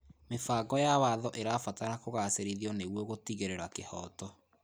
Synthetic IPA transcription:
mefaːɡɔjawaðɔʔeɾaːfataɾakoɣaːseɾiðiɔneɣwoɣotiɣeɾeɾwakehɔːtɔ

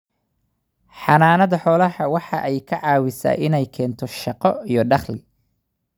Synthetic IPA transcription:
ħɑnaːnɐðɐħɔːlɐhɐwɑħɑ̰ʔɛjkʰɐʕɑːwɪsa̰ːʔɪnɛjkʰɛːnt̪ʰɔʃɑqɔijɞɖɑχlɪ

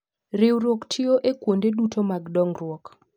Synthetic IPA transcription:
ɾɪwɾoktʰɪoʔekwondedutomaɡdɔŋrwɔk

